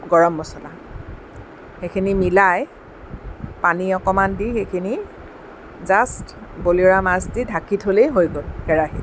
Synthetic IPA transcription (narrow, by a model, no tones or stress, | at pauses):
ɡɔɹɔmːɔsɔla | xekʰinimilaj | paniɔkɔmandixejkʰini | zastboliɹamasdidʱakitʰɦolejɦojɡolɡɛɹaɦḭ